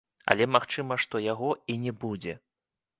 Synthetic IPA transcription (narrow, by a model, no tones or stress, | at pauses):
ɐ̰lʲɛmaxt͡ʂɨmɐʂt̪ɔjaɣɔinʲɛbud͡zʲɛ